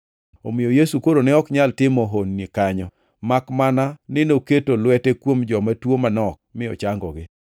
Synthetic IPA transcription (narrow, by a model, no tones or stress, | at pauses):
o̰mɪjojesukoɾonɛɔkɲaltɪmɔɦonːikaɲɔ | makmananɪnoketolwɛtekwomd͡ʒɔmatwomanɔk̚mɪɔ̰t͡ʃaŋɡɔɡɪ